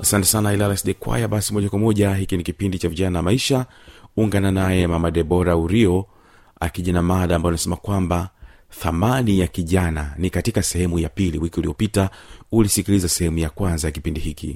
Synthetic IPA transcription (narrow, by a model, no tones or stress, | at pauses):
asantɛ̥sanailalasɗɛkwa̰jaɓasimɔʄakwamɔʄaɦikinikipindit͡ʃaviʄanajamaiʃa | uŋɡananajɛmamaɗɛɓɔɾauɾiɔ | a̰kiʄanamaɗaːmbajanasɛmakwamba | θamanijakiʄananikatikasɛhɛmujapiliwikiuliɔpitaulisikilizasɛhɛmujakwanzajakipindihikḭ